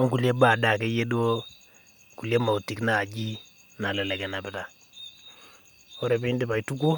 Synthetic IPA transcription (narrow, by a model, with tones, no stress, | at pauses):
ɔ˦ŋku˨lje˦ba˨da˨kɛ˦je˦do˦ | ku˨lje˦ma˨u˨ti˨kna˨d͡ʒi˦ | na˨lɛ˨lɛ˨kɛ˨na˨pɪ˨ta˨ | ɔ˦ɾe˨pi˦ndi˦pa˨itu˦ku˦